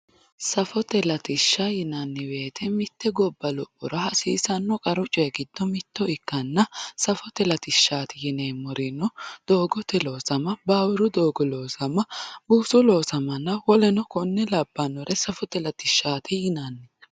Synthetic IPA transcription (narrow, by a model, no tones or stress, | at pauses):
sɐfɔt̪ɛlɐt̪ɪʃːɐjɪnɐnːɪwe̞ːt̪ʰɛmɪt̪ːɛɡɔbːɐlɔpʼːʊɾɐhɐsiːsɐnːɔkʼɐɾʊt͡ʃʼeɡɪd̪ːɔmɪt̪ːɔɪkːɐnːɐsɐfɔt̪ɛlɐt̪ɪʃːaːt̪ɪjɪneːmɔɾɪnɔd̪̥o̞ːɡɔt̪ɛloːsɐmɐbaːwɪɾʊd̪o̞ːɡɔlo̞ːsɐmɐbuːsʊlo̞ːsɐmɐnːɐwɔlɛnɔkɔnːɛlɐbːɐnɔɾɛsɐfɔt̪ɛlɐt̪ɪʃːaːt̪ʰɪjɪnɐnːɪ